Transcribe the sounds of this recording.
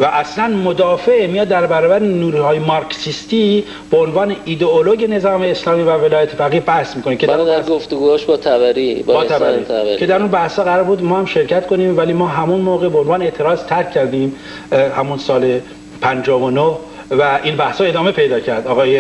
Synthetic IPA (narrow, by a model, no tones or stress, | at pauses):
væʔæslænmod̪ɒːfeʔmijɒːd̪ːæɾbæɾɒːbæɾenuːɾuhɒːjemɒɾcsist̪iː | b̥eonvɒːne̞ʔid̪eoloɟe̞ne̞zɒːmeːslɒːmiːvæve̞lɒːjæt̪ʰefæɣiːbæhsmiːkonicʰeæɾud̪ɡoft̪oɡuːhɔʃbɒt̪ʰæbæɾibbɒːt̪ʰbæɾḭcʰe̞d̪æɾunbæhshɒːɣæɾɒːɾbuːd̪mɒːhæmʃe̞ɾcʰæt̪kʰoniːmvæliːmɒːɦæmunmoːɣebeonvɒːneeʔt̪ʰe̞ɾɒːzt̪ʰæɾkʰːæɾd̪iːm | hæmunsɒːle | pʰænd͡ʒɒːvonoh | væʔiːnbæhshɒe̞d̪ɒːme̞pʰe̞jd̪ɒːcʰæɾd̪ɒːɣɒːje